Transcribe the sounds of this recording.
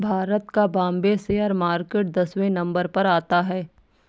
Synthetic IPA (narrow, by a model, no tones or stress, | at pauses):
bʱaːɾət̪kabãːmbeseəɾmaːɾkeːʈ̚d̪ɐswẽnɐ̃mbəɾpɐɾaːt̪aɦɛː